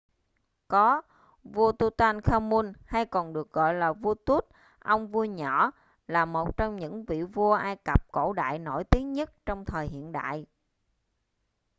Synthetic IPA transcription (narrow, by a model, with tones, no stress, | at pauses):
kɔ˨˦ | vu˧ət̪u˧t̪aː˧nxaː˧mu˧nha˧jkɔ˨˩nɗɨ˨˩ək̚ɣɔ̰˧˨jlaː˨˩vu˧ət̪u˦˥t̚ | ʔə˧wŋ͡mvu˧əɲɔ˧˩ | laː˨˩mo˨˩t̚t͡ɕɔ˧wŋ͡mɲɨ̰˧˥ŋvḭ˧˨vu˧əʔaː˧jkə˨˩p̚ko̰˧˥ɗa̰ː˧˨jno˧˩jt̪i˨˦əŋɲə˦˥t̚t͡ɕɔ˧wŋ͡mt̪ʰəː˨˩jɦḭ˧˨ənɗa̰ː˧˨jʔ